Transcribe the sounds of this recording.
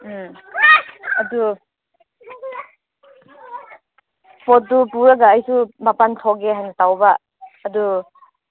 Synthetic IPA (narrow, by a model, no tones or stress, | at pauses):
ɐdu | pɔt̚dupuɾaɡaːjsubʱapantʰɔɡeɦajnɐtawbaː | du